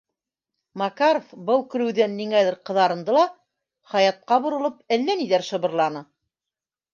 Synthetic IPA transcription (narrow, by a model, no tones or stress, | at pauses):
mɑkaɾofbɤlˠkɵ̆ɾɘ̆wðænːiŋæðɘɾqɤ̆ðɑɾɤ̆nd̪ɤlˠɑ | χɑjɑt̪̚qɑbŏɾɤ̆lˠɤpælːæniðæɾʃɤ̆βɤ̆ɾlˠɑnɤ